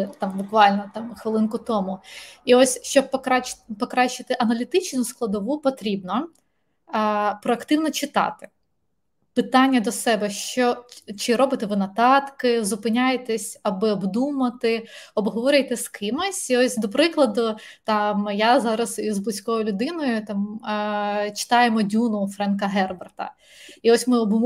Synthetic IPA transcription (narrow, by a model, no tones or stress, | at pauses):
t̪ɑmbʊkʋɑlʲnɔt̪ɑmxʋɪlˠɪnkʊt̪ɔmʊiɔsʲʃt͡ʃɔb̚pɔkɾɑt͡ʃpɔkɾɑʃɪt̪ɪʔɐnɐlʲit̪ɪt͡ʃnʊsklˠɐd̪ɔʋupɔt̪ɾʲibnɔ | pɾɔɐkt̪ɪwnɔt͡ʃɪt̪ɑ̰t̪ɪ̥ | pɪt̪ɑnʲːɐd̪ɔsɛbɛʃt͡ʃɔt͡ʃɪɾɔbɪt̪ɛʋɪnɐt̪ɑt̪kɪzʊpɪnʲajet̪ɛsʲɐbɪɔbd̪umɐt̪ɪɔbɦɔʋɔɾʲʊjt̪ɛskʰɪmɔsʲiɔsʲd̪ɔpɾɪklˠɐd̪ʊt̪ɑmjazɑɾɐsizb̪ˠɪsʲkɔjʊlʲʊd̪ɪnɔjʊt̪ɑm | t͡ʃɪ̥t̪ɑjemɔdʲunʊfɾɛnkɐɦɛrbɐrt̪ɐ̰ | iɔsʲmɪɔbm